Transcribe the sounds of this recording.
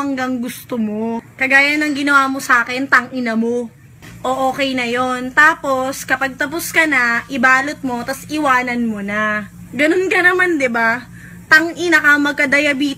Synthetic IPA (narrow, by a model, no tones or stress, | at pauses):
ɐŋɡɐŋɡʊst̪omo̞kɐɡaːjɐnɐŋɡɪnɐwaːmo̞saːkɛnt̪ɐŋʔɪnɐmo̞ | ʔoʔoːkɛjnɐjo̞nt̪aːpo̞skɐpɐɡ̚t̪ɐposkɐnɐʔɪbaːlot̪̚mo̞t̪ɐsɪwaːnɐnmonɐ | ɡɐnonkɐnɐmand̪ɪba | t̪ɐŋʔɪnɐkɐmɐɡ̚kɐd̪ɐjɐbiː